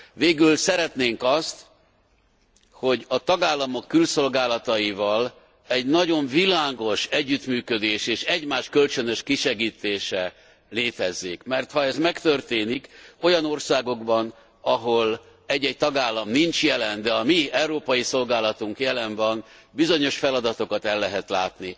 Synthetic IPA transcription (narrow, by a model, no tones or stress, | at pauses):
veːɡylsɛɾɛt̪neːŋkɒst̪ | ho̞ɟɒt̪ɒɡaːlːɒmo̞kːylso̞lɡaːlɒt̪ɒjivɒl | ɛɟnɒɟo̞ɱvilaːɡo̞ʃɛɟːyt̪myːkø̞d̪eːʃeːʃɛɟmaːʃkø̞lt͡ʃønøʃkiʃɛɡiːt̪eːʃɛ | leːt̪ɛzːeːkmɛrt̪hɒɛzmɛkt̪ø̞rt̪eːniko̞jɒno̞rsaːɡo̞ɡbɒn | ɒɦo̞l | ɛɟːɛɟc̚t̪ɒɡaːlːɒmnint͡ʃjɛlɛnd̪ɛɒmiɛwɾoːpɒjiso̞lɡaːlɒt̪uŋkjɛlɛnvɒnbizo̞ɲo̞ʃfɛlɒd̪ɒt̪o̞kɒt̪ɛlːɛɦɛt̪laːt̪ni